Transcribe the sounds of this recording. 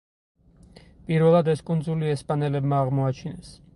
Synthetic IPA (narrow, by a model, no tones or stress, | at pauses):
pʼiɾvɛlˠad̪ɛskʼund̪zuliɛspʼanɛlɛbmaːʁmɔat͡ʃʰinɛs